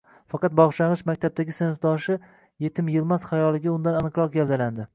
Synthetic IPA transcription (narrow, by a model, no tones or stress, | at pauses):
fɑqɑt̪̚bɒʁʃaʁɨʃmakʲt̪ʰab̚t̪aɡʲɪsɪnɪfd̪ɒʃɪ | je̞t̪ʰɪmjɪlˠmasχajɒlˠɪɡʲaʊnd̪ananɨqɾɒq̚ɡʲald̪aland̪ɪ